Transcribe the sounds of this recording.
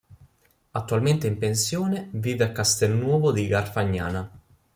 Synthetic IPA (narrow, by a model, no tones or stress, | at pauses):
at̪ːualment̪eimpensjoːneviːveakast̪ɛlnwɔːvod̪iɡarfaɲːa̰ːna